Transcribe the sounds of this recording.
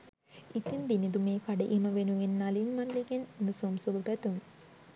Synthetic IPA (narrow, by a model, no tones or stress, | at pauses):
it̪ind̪inid̪umeːkaɖəʔiməʋenuʋenːalinmalːiɡenunusomsubəpæt̪um